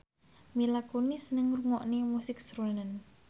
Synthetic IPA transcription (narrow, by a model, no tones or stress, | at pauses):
milakonisənəŋruŋɔʔnemusɪk̚sɾunən